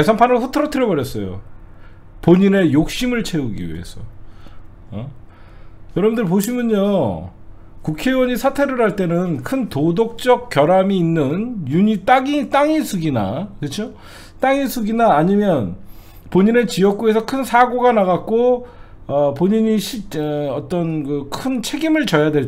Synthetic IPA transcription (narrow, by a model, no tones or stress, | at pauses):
esʰanpʰanɯosʰʌtʰɯɾʌtʰɯɾjʌbʌɾjʌs͈ʌjo̰ | poɲine̞jok̚ɕ͈imɯɭt͡ɕʰe̞uɡḭɥḭḛsʰʌ̰ | ʌ | jʌɾʌbndɯɭpoɕ̬ʰimjʌno | kukʰe̞wʌɲisʰatʰe̞ɾɯɾɦaɭt͈e̞nɯnkʰɯntodok̚t͡ɕ͈ʌk̚k͈jʌɾamiːnːɯnjuɲit͈aɡit͈aŋisʰuɡina̰kɯt͡ɕʰo | t͈aŋisʰuɡinaːɲimjʌn | poɲine̞t͡ɕijʌk̚k͈ue̞sʰʌkʰɯnsʰaɡoɡanaɣak̚k͈o | ʌpoɲiɲiɕʰiʌt͈ʌnkɯkʰɯnt͡ɕʰe̞ɡimɯɭt͡ɕʌjadwe̞